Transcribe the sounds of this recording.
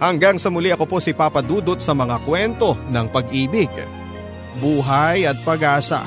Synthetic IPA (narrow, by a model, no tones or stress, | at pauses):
hɐŋɡaŋsɐmʊliʔɐko̞po̞sɪpaːpɐd̪uːd̪ot̪̚sɐmɐŋakwɛnt̪o̞nɐŋpɐɡʔiːbɪɡ̚ | buːɦajɐt̪̚pɐɡaːsɐ̰